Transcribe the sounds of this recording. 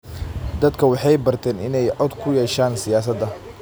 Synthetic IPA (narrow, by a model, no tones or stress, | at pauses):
d̪ɐd̪kʰɐwɑħɑjbɐrt̪ʰɛːnɪnɛjʕɔd̪kʰʊjɛʃaːnsɪjaːsɐd̪ɐ